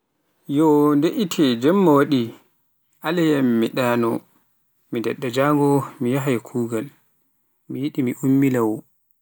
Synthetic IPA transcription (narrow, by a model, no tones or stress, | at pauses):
jɔndeʔitʰɛd͡ʒɛmːawaɗi | ʔalajamːiɗaːnɔ | midɛɗːad͡ʒaːŋɡɔmijaɦajkʰuːɡal | mijiɗimiʔumːilawɔ